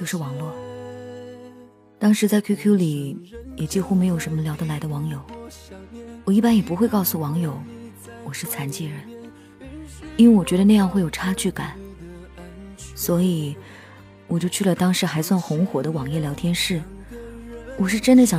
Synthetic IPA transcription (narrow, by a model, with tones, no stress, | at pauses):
t͡ɕjo˥˧ʊʂɻ̩˥˩wɑ˧˥ŋlwɔ˥˩ | t̪ɑ˥ŋʂɻ̩˧˥t͡sa˥˧ɪkʰu˥kʰju˥li˨˩jɛ˨˩t͡ɕi˥˧xu˥me˧˥ɪjo˨˩ʊʂə˧˥nmə˧ljɑ˧˥ʊd̪ə˧la˧˥ɪd̪ə˧wɑ˧˥ŋjo˨˩˦ʊ | wɔ˨˩i˥˩pa˥njɛ˨˩pu˧˥xwe˥˧kɑ˥˩ʊsu˨˩wɑ˧˥ŋjo˨˩˦ʊ | wɔ˨˩ʂɻ̩˥˩t͡sʰa˧˥nt͡ɕi˥˩ɻə˧˥n | i˥nwe˥˩ɪwɔ˨˩t͡ɕɥɛ˧˥ɾə˧na˥˧jɑ˥˧ŋxwe˥˩ɪjʊʈ͡ʂʰa˥t͡ɕʰy˥˩ka˨˩˦n | swɔ˧˥i˨˩˦ | wɔ˨˩t͡ɕjo˥˧ʊt͡ɕʰy˥˩ə˩t̪ɑ˥ŋʂɻ̩˧˥xa˧˥ɪswa˥˩nxʊ˧˥ŋxwɔ˨˩d̪ə˦wɑ˨˩ŋjɛ˥˩ljɑ˧˥ʊt̪ʰjɛ˥nʂɻ̩˥˩ | wɔ˨˩ʂɻ̩˥˩ʈ͡ʂə˥nd̪ə˨ɕjɑ˨˩